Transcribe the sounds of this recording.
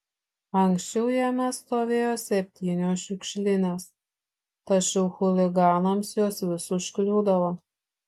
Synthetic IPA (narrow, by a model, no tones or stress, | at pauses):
ɐŋʲksʲt͡ʃʲɛʊjæːmʲɛst̪oːʋʲeːjoːsʲɛpʲt̪ʲiːnʲoːʃʲɪkʃʲlʲɪnʲeːs | t̪ɐt͡ʃʲɛʊxʊlʲɪɡɑːnɐmsjoːsʋʲɪsʊʃʲkʲlʲuːd̪ɐʋoː